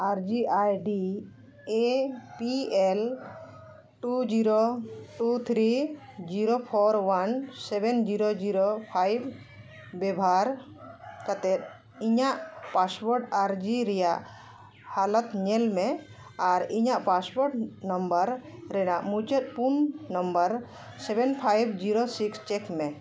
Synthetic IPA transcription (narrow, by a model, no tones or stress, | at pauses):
aɾd͡ʒiajɖi | epiɛl | ʈud͡ʒiɾoʈut̪ʰɾi | d͡ʒiɾopʰɔɾwansɛbɛnd͡ʒiɾod͡ʒiɾopʰajbː | ɛbʱaɾ | kat̪ɛt̪̚ | iɲaʔpasbɔɾʈaɾd͡ʒiɾɛjaʔ | halət̪ɲɛlmɛ | aɾiɲaʔpasbɔɾʈnɔmbəɾɾɛnaʔmut͡ʃət̪̚punːɔmbəɾ | sɛbɛnpʰajbd͡ʒiɾosikst͡ʃɛkmɛ